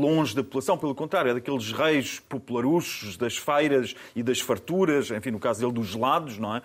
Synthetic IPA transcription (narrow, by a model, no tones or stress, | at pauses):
lˠõʒðɐpupulˠɐsɐ̃w̃pelˠukõnt̪ɾaɾjuɛðɐkelˠʒʁɐjʃpupulˠɐɾuʃuʒðɐʃfɐjɾɐʃiðɐʃfɐɾt̪uɾɐʃẽfĩnukazuðelˠd̪uʒlˠaðuʃnɐ̃w̃ɛ